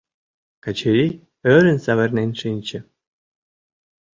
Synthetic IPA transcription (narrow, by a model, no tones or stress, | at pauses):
kat͡ɕʰeɾʲi | øɾʲɘ̆nsɑβɘ̆rnenʲʂɨnʲt͡ɕɘ̆